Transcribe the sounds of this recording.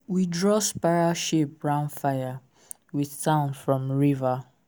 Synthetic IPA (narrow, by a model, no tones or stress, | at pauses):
widɹɔspaaʃep̚ɹãʊ̃ndfaja | wiθtãʊ̃nfɹɔ̃mɹiva